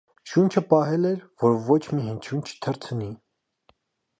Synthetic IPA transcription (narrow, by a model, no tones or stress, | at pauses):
ʃunt͡ʃʰəpɑɦɛlɛɾvɔɾvɔt͡ʃʰmiɦənt͡ʃʰunt͡ʃʰə̥t̪ʰəɾt͡sʰəni